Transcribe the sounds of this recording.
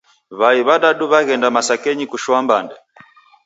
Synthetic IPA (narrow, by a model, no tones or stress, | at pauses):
βaiβaɗaɗuβaɣɛndamasakɛɲikuʃwambandɛ